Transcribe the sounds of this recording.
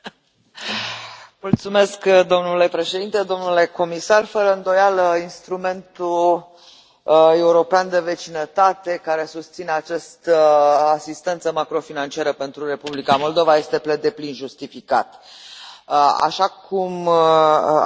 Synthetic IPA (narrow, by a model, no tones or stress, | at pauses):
mult̪sume̞skd̪o̞mnule̞pɾe̞ʃe̞d̪int̪e̞d̪o̞mnule̞ko̞misarfəɾəɨnd̪o̞jaləinst̪ɾume̞nt̪u | e̞uɾo̞peand̪e̞ve̞t͡ʃinət̪at̪e̞kaɾe̞sust̪sine̞at͡ʃast̪əasist̪e̞nt̪səmakɾo̞finant͡ʃiaɾəpe̞nt̪ɾuɾe̞publikamo̞ld̪o̞vaje̞st̪e̞pled̪e̞plinʒust̪ifika̰t̪ | a̰ʃakum